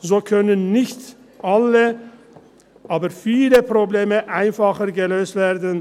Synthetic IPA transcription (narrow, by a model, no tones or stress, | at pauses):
zoːkʰœnənːɪçt | ʔalə | ʔaːbəʁfiːləpʁ̥obleːməʔaɪnfaχəʁɡəløːstv̥eːɐdn̩